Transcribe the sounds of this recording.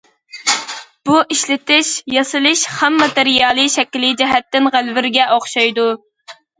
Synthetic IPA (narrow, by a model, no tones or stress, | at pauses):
b̥uʔiʃlɪt̪ɪʃjɑsɨlˠɨʃhæmːɑt̪ɪɾijɑːlˠɨʃɛkʲlɪd͡ʒɛɦɛt̪ːɪnʁælvɪɾɡʲɛʔoχʃɑjd̪u